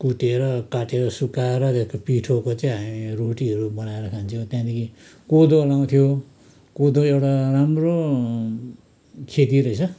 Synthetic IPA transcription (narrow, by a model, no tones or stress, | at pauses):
kuʈeɾʌkaʈeɾʌsukaeɾʌt̪eskopiʈʰokot͡sʌĩɦamiroʈiɦʌɾubʌnaeɾʌkʰant͡sʰiʌ̃t̪jãd̪ekʰi | kod̪olaw̃t̪ʰijo | kod̪oewʈaramro | kʰet̪̬iɾʌit͡sʰʌ